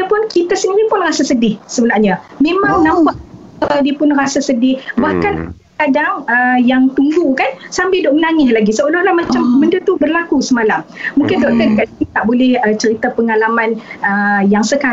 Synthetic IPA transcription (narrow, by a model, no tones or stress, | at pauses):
apʊnkit̪asəniɾipʊnrasasədɪhsəbəlahɲamẽmãŋnampaʔ | ədiəpʊnrasasədɪhbahkanʔaakadaŋəjaŋt̪uŋɡukansambɪldoʔmənaŋɪslaɡisəʔolɔhlahmat͡ʃamːəndət̪ubərlakusəmalamːũŋkɪndoʔk̪ədəkaʔait̪aʔbolɛhət͡ʃəɾit̪apəŋalamanəjaŋsəka